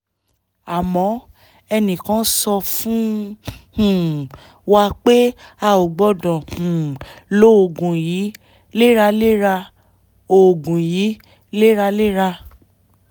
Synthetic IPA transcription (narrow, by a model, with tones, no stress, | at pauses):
a˨mɔ̃˨˦ | ɛ˧nĩ˨kã˨˦sɔ˧fũ˦hũ˨ | wa˧k͡pe˦a˧˨o˨ɡ͡bɔ˧˦dɔ̃˨hũ˨lo˦o˨ɡũ˨ji˨˦ | le˦ɾa˧le˦ɾa˧ | o˨ɡũ˨ji˨˦ | le˦ɾa˧le˦ɾa˧